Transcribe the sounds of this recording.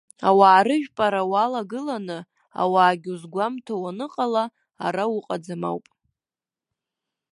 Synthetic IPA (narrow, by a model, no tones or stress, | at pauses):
awaːɾɨʒᶣpʼaɾawalaɡɨlanɨ | a̰waːɡʲuzɡʷamtʰawanɨqʼala | aɾawʊqʼad͡zama̰wpʼ